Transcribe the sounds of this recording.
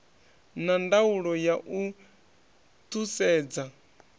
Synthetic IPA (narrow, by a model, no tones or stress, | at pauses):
nandauɺɔjaʔu | t̪ʰusɛːd͡za